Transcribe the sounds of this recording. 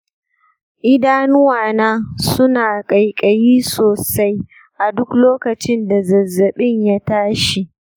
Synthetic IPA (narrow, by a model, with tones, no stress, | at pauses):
ʔɪ˦daː˦nʊ˦waː˨naː˦sʊ˦naː˨kʼɐ˨jkʼɐ˨jiː˦soː˨sa˦j | ʔa˨dʊ˦kloː˦kɐ˨t͡ʃɪ˦nda˨zɐ˨zːɐ˨ɓɪ˦ɲja˦taː˦ʃi˨ʔ